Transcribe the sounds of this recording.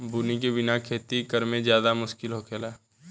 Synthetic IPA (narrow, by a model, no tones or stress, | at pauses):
buːnikebɪnakʰeːt̪ikəɾmẽzjaːd̪amʊʃkɪlɦoːkʰelaː